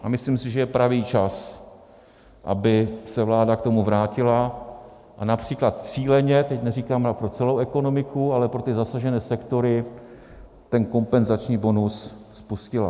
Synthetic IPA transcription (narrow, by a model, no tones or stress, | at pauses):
ʔamɪslimsɪʒɛjɛpɾaviːt͡ʃas | ʔa̰bɪsɛvlaːdakt̪o̞muvɾaːcɪla | ʔanapr̝̥iːklat̪t͡siːlɛɲɛt̪ɛcnɛriːkaːmɾapɾo̞t͡sɛlowɛko̞no̞mɪkʰualɛpɾo̞t̪ɪzasaʒɛnɛːsɛkt̪o̞ɾɪ | t̪ɛnko̞mpɛnzat͡ʃɲiːbo̞nusspuscɪla̰